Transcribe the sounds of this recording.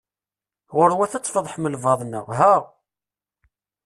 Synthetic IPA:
ʁʊɾwæθæt͡sːfoðˤħməlvɑðˤnə̰ʁɦæʁ

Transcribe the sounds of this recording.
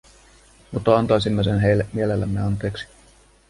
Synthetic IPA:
mut̪ːɑɑnt̪ɑjsimːes̬enɦejlːemielelːæmːeɑnt̪e̞ːksi̥

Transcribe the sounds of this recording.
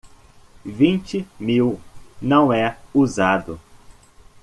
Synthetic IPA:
vĩnt͡ʃɪmiwnɐ̃w̃ɛuzad̪ʊ

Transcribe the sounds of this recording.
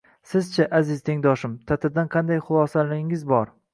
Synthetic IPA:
sɪzt͡ʃʰaʔazɪzt̪ʰe̞ŋd̪ɒʃɪmt̪ʰat̪ʰɪd̪anqʰɑnd̪ajχʊlˠɒsalɪɪŋɪzbɒɾ

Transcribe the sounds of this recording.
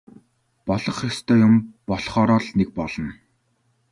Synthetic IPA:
pɔɮɞ̆χest̪ʰœːjʊmpɔɮχɔːɾɔːɮnek̚pɔɮɞ̆n

